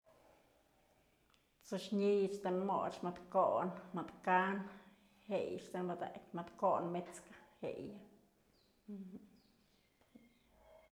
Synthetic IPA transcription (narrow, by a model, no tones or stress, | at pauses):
t͡soʃɲijʂt̪enmo̰t͡ʃmat̪koʔnmad̪kan | hejʂt̪enbad̪a̰kʲmat̪konmet͡skḁhḛja